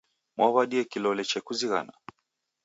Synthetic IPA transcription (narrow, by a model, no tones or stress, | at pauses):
maβaɗiɛkilɔlɛt͡ʃɛkuziɣa̰na̰